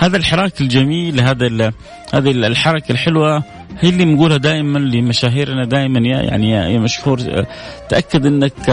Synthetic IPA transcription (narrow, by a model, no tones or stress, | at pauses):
haːðalħɪɾˤɑːkɪld͡ʒamiːlːɦaːd̪a | haːðalħɑɾˤɑkalħɪlwa | hiːlːiːbnɡuːlhad̪aːjmanlɪmaʃaːɦiːɾnad̪aːjmanja̰ja̰ʕnḭjamaʃhuːɾ | t̪ʔakːad̪ʔɪnːak